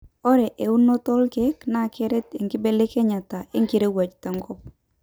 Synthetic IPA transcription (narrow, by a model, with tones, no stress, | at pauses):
ɔ˦ɾɛ˨ʔe˨u˦nːo˦tɔ˦lkɛ˦kna˦˨kɛ˦ɾɛ˦te˨ŋɡɪ˦be˨le˦kɛ˦ɲa˨ta˨e˦ŋki˦ɾe˦wa˨t͡ʃta˨ŋɡɔ˦p̚